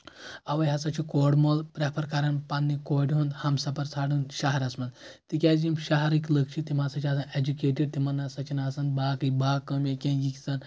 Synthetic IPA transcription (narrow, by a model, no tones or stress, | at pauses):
ɐʋɐjɦɐsat͡ʃʰikoɽmolpɾapʰɐɾkaɾɐnpanːikoːʈʲɦũnd̪hɐmsɐpɐɾt͡sʰaːɽũnʃaɦɐɾɐsmɐnd̪t̪ikʲad͡ʒimʃaɦɐɾikləkt͡ʃʰit̪imasat͡ʃʰiɐsɐed͡ʒukeːʈiɖ̚t̪imɐnːɐsɐt͡ʃinaːsɐn̚baːkɨjbakɐmekʲẽnjikt͡sɐn